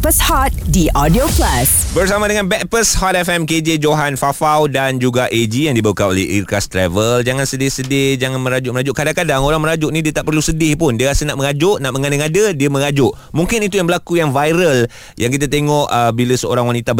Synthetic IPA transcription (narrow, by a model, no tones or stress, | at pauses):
pəshɔt̪̚diʔɔdioplɛsbərsamadəŋãnbɛt̪̚pəshɔt̪̚ɛfɛmked͡ʒed͡ʒoɦanfafawdand͡ʒuɡaʔed͡ʒijaŋdibawukano̰lɛ̰hḭrkast̪ɾɛvəld͡ʒaŋansədɪhsədɪd͡ʒaŋãnmə̃ɾad͡ʒʊʔməɾad͡ʒʊʔkadaŋkadaŋoɾaŋmə̃ɾad͡ʒʊʔnĩdiət̪aʔpərlusədɪhpʊndiəɾasənaʔmə̃ŋad͡ʒʊʔnaʔmə̃ŋãnɪŋadədiəmə̃ŋad͡ʒʊʔ | muŋkɪnit̪ujaŋbəlakujaŋvajɾəl | jʔaŋk̬it̪̬at̪eŋɔʔəbiləsəo̰ɾaŋwanit̪ab